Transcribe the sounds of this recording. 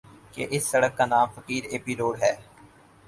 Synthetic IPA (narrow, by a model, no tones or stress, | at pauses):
keʔɪsːɐɽəkːanaːmfəkiːɾeːpiloːɖɦɛː